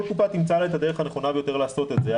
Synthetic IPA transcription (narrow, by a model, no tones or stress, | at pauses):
lkupat̪imt͡salaet̪ad̪e̞e̞χaneχo̞nabejo̞t̪e̞ʁleaso̞t̪etze